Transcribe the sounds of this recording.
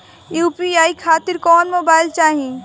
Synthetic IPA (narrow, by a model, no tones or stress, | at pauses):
juːpiaːikʰaːt̪ɪɾkɔːnmoːbaːɪlt͡ʃaːɦĩ